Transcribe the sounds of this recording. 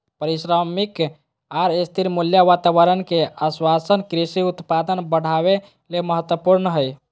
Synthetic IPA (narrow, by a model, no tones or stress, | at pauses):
pəɾisɾəmik | aɾest̪ʰiɾmuljaʋat̪aʋəɾənkeəswasənkɾisiut̪pad̪ənbəɽ̤aβe | leməɦət̪wəpuɾnəɦəj